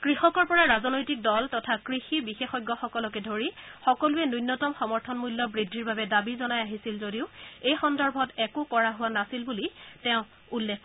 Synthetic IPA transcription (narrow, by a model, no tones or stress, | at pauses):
kɹixɔkɔɹpɔɹaɹazɔnɔjtik̚dɔltɔtʰakɹixibixexɔjɡːɔxɔkɔlɔkɛdʱoɹixɔkɔlʊɛnujnːɔtɔmxɔmɔɹtʰɔnmulːjɔbɹidʱːiɹbabɛdabizɔnajaɦisilzodiʊejxɔndɔɹbʱɔtɛkʊkɔɹaɦʊwanasilbulitɛʊ̃ | ulːekʰ